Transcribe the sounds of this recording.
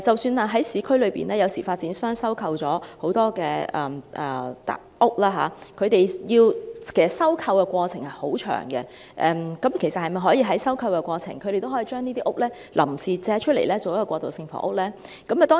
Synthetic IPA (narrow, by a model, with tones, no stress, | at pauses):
t͡sɐ˨wsyː˧naː˧ɦɐ˨˥jsiː˨˧kʰɵ˥ɥlɵ˨˧ɥpḭː˨nɛː˥jɐ˨˧wsiː˨˩faː˧t̚t͡siː˨˥nsœː˥ŋsɐ˥wkʰɐ˧wt͡sɔː˨˥ho˨˥wt̪ɔː˥kɛː˧ɛ˨mʔɛː˨˩t̪a̰˨ | ʊ˥k̚laː˥ɦa̰ː˨˦kʰɵ˨˧t̪e˨jjiː˧wkʰe˨˩sɐ˨t̚sɐ˥wkʰɐ˧wkɛ˧kʷɔː˧t͡sʰɪ˨˩ŋhɐ˨˩jho˨˥wt͡ʃʰœ̰ː˨˩ŋkɛ˧ | ʔɛ˨˧mkɐ˨˥mkʰe˨˩sɐ˨t̚hɐ˨jmɐ˨jɦɔː˨˥jiː˧ɦɐ˨˥jsɐ˥wkʰɐ˧wkɛ˧kʷɔː˧t͡sʰɪ̰˨˩ŋkʰɵ˨˧ɥɾe˨jt̪o˥ɔː˨˥iː˨˧t͡ʃœː˥ŋniː˥t̪iː˥ʔʊ˥k̚lɛː˥ | lʔɐ˨˩msiː˨t͡sɛː˨˧˥t͡ʃʰɵ˥le˨˩jlɛː˥t͡so˨wjɐ˥kːɔː˧kʷːwɔː˧kt̪o˨wsɪ˧ŋfɔ̰ː˨˥ʔʊ˥k̚lɛː˥ | kɐ˨˥ma˨˩t̪ɔː˥